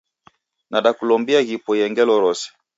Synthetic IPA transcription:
naɗakulɔmbiaɣipɔjɛŋɡɛlɔɾɔsɛ̥

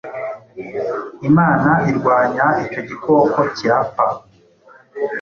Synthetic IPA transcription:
imaːnaiɾɡwaːɲaico̞ɟikʰo̞ko̞ciɾapa

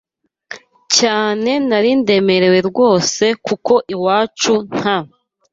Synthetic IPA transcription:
caːne̞naɾinde̞me̞ɾewe̞ɾɡwo̞ːse̞kuko̞ʔiwaːt͡ʃun̥a

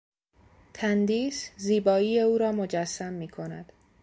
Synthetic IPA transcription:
t̪ʰænd̪iːsziːbɒːiːjeuːɾɒːmod͡ʒæsːæmːiːkʰo̞næ̰d̪̥

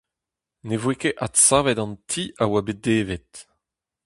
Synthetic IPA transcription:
nevwekeʔatsaːvɛdɑ̃ntʰiawabed̪eːvet̪

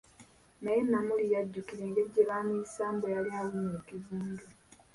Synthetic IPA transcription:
najenːamulijaɟːukiɾe̞ŋɡeɟːeβaːmisaːmbojalialunekivuːɲdu

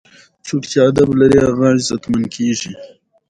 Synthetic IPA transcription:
t͡ʃukt͡ʃead̪ablaɾiaɣɑ̃ːʒzat̪mankʰeʒi

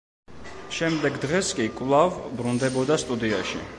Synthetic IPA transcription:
ʃɛmd̪ɛɡd̪ʁɛskʼikʼvlˠavbɾund̪ɛbɔd̪ast̪ʼud̪iaʃḭ

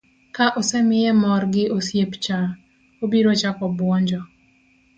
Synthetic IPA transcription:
kaʔɔsɛmɪjɛmɔrɡɪʔosjept͡ʃa | obiɾot͡ʃakɔbwɔɲd͡ʒɔ

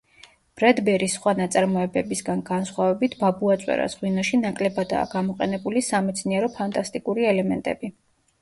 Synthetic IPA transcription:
b̥ɾad̪bɛɾisχwanat̪sʼaɾmɔɛbɛbisɡanɡansχwavɛbit̪ʰbabuat̪sʼwɛ̰ɾa̰sʁwinaʃinakʼlɛbad̪a̰ːɡamɔqʼɛnɛbulisamɛt̪sʰniɛɾɔpʰant̪ʼast̪ʼikʼuɾiɛlɛmɛ̰nt̪ʼɛ̰bi

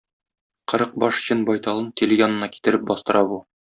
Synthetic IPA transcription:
qɤ̆ɾɤq̚bɒʃ̆ɕɤnbɒjt̪ɑlˠɤnt̪ʲilʲjɒnɤ̆nɑki̥t̪ɘ̆ɾɘp̚bɒst̪ɤ̆ɾʔɑbu

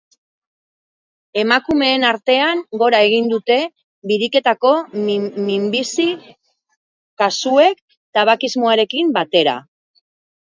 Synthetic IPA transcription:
e̞makume̞ːnaɾt̪e̞aŋɡo̞ɾae̞ɣ̞ind̪ut̪e̞ | βiɾike̞t̪ako̞mimbisi | kasue̞k̚ | t̪aβakizmo̞aɾe̞kimbat̪e̞ɾa̰

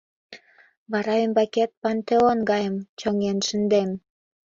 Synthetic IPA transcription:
βɑɾɑømbɑket̪̚pɑnt̪eonɡɑjə̆mt͡ɕoŋenʃə̆nd̪em

